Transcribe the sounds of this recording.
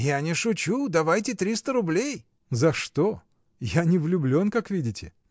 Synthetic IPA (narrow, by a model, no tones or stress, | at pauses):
janʲɪʂʊt͡ɕud̪ɐvajtʲɪt̪ɾʲist̪əɾʊblʲej | zɐʂt̪o | janʲɪvlʲʊblʲo̞nkakvʲidʲɪtʲɪ̰